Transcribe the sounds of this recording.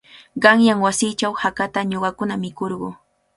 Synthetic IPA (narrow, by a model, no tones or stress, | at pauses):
ɢɑŋjaŋwasɪt͡ʃawhakat̪aɲoɢɑkʊnamɪkoɾɢʊː